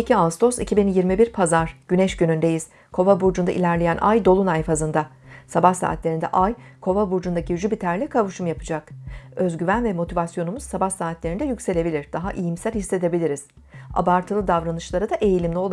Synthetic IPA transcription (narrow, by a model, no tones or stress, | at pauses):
icʰiast̪ʰo̞sicʰibinjiɾmibiɾpʰazaɾ̥ɟ̥ynɛʃɟynynd̪e̞jiz̥ | kʰo̞vabuɾd͡ʒund̪aʔḭlʲæɾlʲe̞jænʔa̰jd̪o̞lˠunajfazɯnd̪a | sabahsa̰ːt̪lʲeɾind̪ɛ̰ʔajkʰo̞vabuɾd͡ʒund̪aciyd͡ʒybit̪ʰæɾlʲɛkʰavɯʃumjapʰɯ̥d͡ʒakø̞zɟyvænvɛmo̞t̪ʰivasjo̞numuz̥sabahsaːt̪ʰlʲeɾind̪ɛjycʲse̞lʲe̞bilʲiɾd̪̥aɦaʔijimsælʲhisːe̞d̪e̞bilʲiɾiz̥ | a̰baɾt̪ʰɯlˠɯd̪avɾanɯʃlˠaɾɯd̪aʔe̞jilʲimlʲio̞lˠ